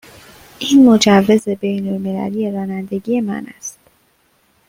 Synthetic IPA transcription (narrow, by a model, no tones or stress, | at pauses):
ʔiːnmod͡ʒævːe̞ze̞bejnolme̞læ̰liːje̞ɾɒːnænd̪e̞ɟiːje̞mæ̰næ̰st̪